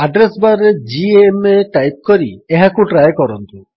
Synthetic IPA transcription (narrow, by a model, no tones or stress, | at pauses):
aɖɾesbaɾed͡ʒiemeʈajp̚kɔɾieɦakuʈɾajkɔɾɔnt̪u